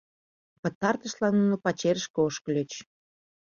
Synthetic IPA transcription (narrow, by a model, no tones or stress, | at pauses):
pə̆t̪ɑrt̪əʃlɑnːunopɑt͡ɕeɾəʃkeoʃkəlʲøt͡ɕ